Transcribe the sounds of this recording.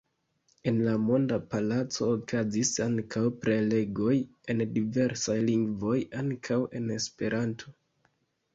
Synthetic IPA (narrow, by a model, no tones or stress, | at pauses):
e̞nlamo̞ndapalat͡so̞ːkazisaŋkʰawpɾe̞le̞ɡo̞je̞ndive̞ɾsajliŋɡvo̞jaŋkʰawe̞ne̞spe̞ɾʔantʰo̞